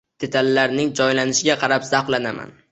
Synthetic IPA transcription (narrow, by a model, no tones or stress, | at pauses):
d̪̥e̞t̪ʰalːaɾnɪŋd͡ʒɒjlanɪʃɪɡʲaqʰɑɾapz̥aqlanama̰n